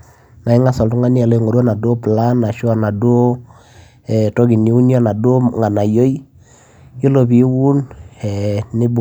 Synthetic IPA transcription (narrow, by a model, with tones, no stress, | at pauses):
na˨i˦ŋa˦sɔ˨ltu˦ŋa˦ni˦a˨le˦˨ŋo˨ɾwa˦na˨do˦pla˦na˨ʃu˦a˨na˨do˦ | ɛ˨to˦ɡi˨ni˨˦u˦nja˦na˨do˦ŋa˨na˨jo˦i˦ | jo˦lo˨bi˨˦wu˦nɛ˨nɪ˦b